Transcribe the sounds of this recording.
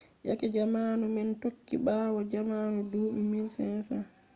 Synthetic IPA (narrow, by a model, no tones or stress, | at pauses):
ja̰kɛd͡ʒamanumɛntokːḭɓawɔd͡ʒamaːnuduːmimilsɛnsa